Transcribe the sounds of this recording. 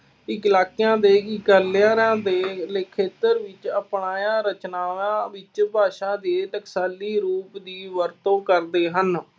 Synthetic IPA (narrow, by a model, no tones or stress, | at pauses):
ɪkɪlaːkɪjãːd̪eːkɪkəlɪjãːɾãːd̪eːlɪkʰːeːt̪əɾʋɪt͡ʃəpɳaːjãːɾət͡ʃnaːʋãːʋɪt͡ʃpaːʃãːd̪eːt̪əksaːliːɾuːpd̪iːʋəɾt̪õːkəɾd̪eːɦən